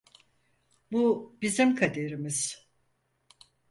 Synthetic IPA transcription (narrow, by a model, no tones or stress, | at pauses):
bubizimkʰad̪eɾimiz̥